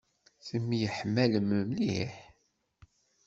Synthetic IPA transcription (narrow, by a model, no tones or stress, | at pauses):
θəmːijəħmːæləmːəmliħ